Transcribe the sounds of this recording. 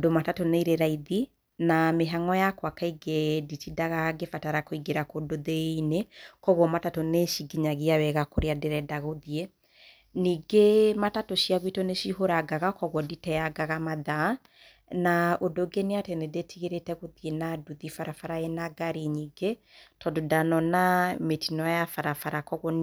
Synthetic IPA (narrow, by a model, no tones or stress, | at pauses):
odomatatoneiɾeɾaiði | nameɦaŋɔjakwakaiɡeditidaɣaɡefataɾakoiɡeɾakodoðeinekɔɣwɔmatatoneʃiɡiɲaɣiawɛɣakoɾeadɛɾɛdaɣoðie | niːɡematatoʃiaɣwitoneʃiɦoɾaɡaɣakɔɣwɔditɛjaɡaɣamaða | naodoɡeneatɛnedetʰiɣeɾetɛɣoðienaduðifaɾafaɾajɛnaɡaɾiɲiːɡe | tʰɔdodanɔnametinɔjafaɾafaɾakɔɣɔ